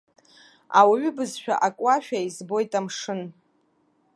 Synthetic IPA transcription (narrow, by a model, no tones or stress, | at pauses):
awaɥʏbɨzʃᶣa̰ʔakʷʼaʃᶣaizbo̞jtʼamʂɨn